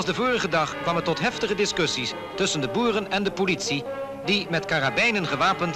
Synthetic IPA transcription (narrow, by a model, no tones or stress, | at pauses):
lˠzdəvʊːrəχədɑχkʋɑmətːɔtɦɛftəχədɪskɵsis | tɵsəndəbuːrənɛndəpolitsi | dimɛtkarabɛjnənχəʋaːpənt